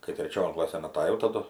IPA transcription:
kɐɪ tʲrʲɛˈt͡ʃʲoːn ˈklˠɑːsʲeːn ɐtɐˈjɛʊ tɐˈdʊ

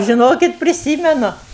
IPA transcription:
ʒʲɪˈnoːkʲɪt pʲrʲɪˈsʲiːmʲɛnʊ

